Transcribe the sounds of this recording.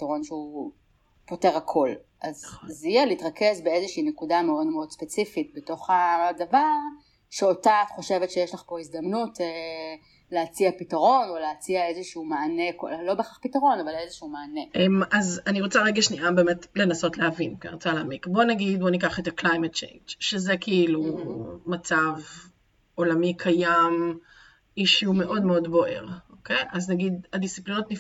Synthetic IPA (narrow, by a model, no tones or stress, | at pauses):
itaʁo̞nʃeu | po̞teʁakʰo̞l | ʔazzijeliitʁɐke̞zbeezeʃiːnekudameo̞dmeo̞dspet͡sifit̚beto̞χadavaʁ | ʃeotatχo̞ʃe̞vetʃejeʃlaχpo̞izd̪ɐmnute | leat͡siapitaʁo̞noleat͡siaezeʃuumaːne̞kolo̞beχaχpitaʁo̞navalezeʃuumaːneʔemazaniʁot͡saʁeɡaʃniʔabe̞ːmetle̞naso̞tleavinaniʁot͡salaːmikbo̞naɡid̪̚bo̞nikaχetaklajmet̚t͡ʃḛjnd͡ʒʃezekʰiilumat͡sav | o̞lamikʰajam | iʃume̞ʔo̞dmeo̞dbo̞ʔe̞̰ʁʔo̞kejʔaznaɡidadist͡siplinotni